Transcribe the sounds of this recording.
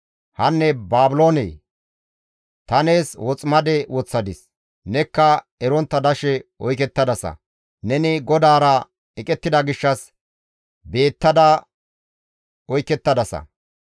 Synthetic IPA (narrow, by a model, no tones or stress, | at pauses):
hɐnːɛbaːbɪlo̞ːnḛː | t̪ɐne̞ːswɔt͡sʼmɐd̪ɛwɔt͡sːɐd̪ɪs | nɛkːɐ | ɛɾɔnt̪ːɐd̪ɐʃɛɔjk̬ɛt̪ːɐd̪ɐsɐ̰ | nɛnɪɡɔd̪aːɾɐ | ɛkʼɛt̪ːɪd̪ɐɡɪʃːɐs | be̞ːt̪ːɐd̪ɐ | ɔjkɛt̪ːɐd̪ɐsɐ̰